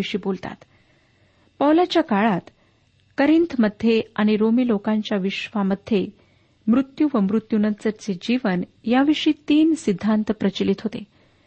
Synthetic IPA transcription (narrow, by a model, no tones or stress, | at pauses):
iʂiːbolt̪a̰t̪ | pəwlat͡ɕjakaɭat̪ | kəɾint̪ʰməd̪ʱːjeaɽ̃iɾomiːlokaɲt͡ɕjaʋiʂʋaməd̪ʱːje | mɾut̪juʋəmɾut̪junənt͡səɾt͡sed͡ʑiʋənjaʋiʂiːt̪iːnsid̪ʱːant̪əpɾət͡ɕilit̪ɦot̪e